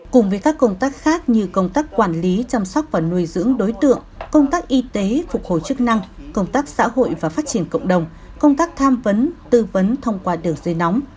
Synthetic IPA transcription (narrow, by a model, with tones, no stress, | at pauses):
kʊ˨˩ŋ͡mvəː˨˦jkaː˦˥kːə˧wŋ͡mt̪aː˦˥k̚xaː˦˥k̚ɲɨ˧kə˧wŋ͡mt̪aː˦˥kkwaː˧˩nli˨˦t͡ɕa˧msa˦˥wk͡p̚vaː˨˩nu˧əjzɨ̰˧˥əŋɗo˨˦jt̪ɨ̰˧˨əŋkə˧wŋ͡mt̪aː˦˥k̚ʔi˧t̪e˨˦fʊ˨˩k͡p̚ho̰˧˨jt͡ɕɨ˦˥k̚na˧ŋkə˧wŋ͡mt̪aː˦˥k̚sa̰ː˧˥ho̰˧˨jvaː˨˩faː˦˥t̚t͡ɕi˧˩ənkə̰˧˨wŋ͡mɗə˨˩wŋ͡m | kə˧wŋ͡mt̪aː˦˥k̚t̪ʰaː˧mvə˨˦nt̪ɨ˧və˨˦nt̪ʰə˧wŋ͡mkwaː˧ɗɨ˨˩əŋze˧nɔ˨˦wŋ͡m